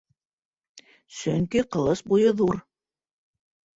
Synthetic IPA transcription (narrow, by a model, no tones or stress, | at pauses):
sɵŋkiqɤ̆lˠɤʃbujɤðuɾ